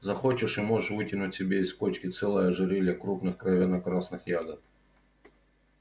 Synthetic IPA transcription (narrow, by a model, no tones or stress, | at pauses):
zɐxot͡ɕɪʂɨmo̞ʐəʂvɨtʲɪnʊtʲsʲɪbʲeɪskot͡ɕkʲɪt̪sɛlˠəjəʐɨɾʲelʲəkɾupnɨxkɾɐvʲenɐkɾasnɨxjaɡɐt̪̚